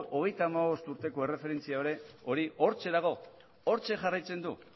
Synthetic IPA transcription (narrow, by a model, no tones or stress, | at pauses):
ʔo̞ɣ̞e̞jt̪aːmaβ̞o̞st̪uɾt̪e̞ko̞e̞re̞fe̞ɾe̞nt͡siaoɾe̞o̞ɾiʔo̞ɾt͡ʃe̞ðaɣ̞o̞ | o̞ɾt͡ʃe̞ʝarajt͡se̞nd̪u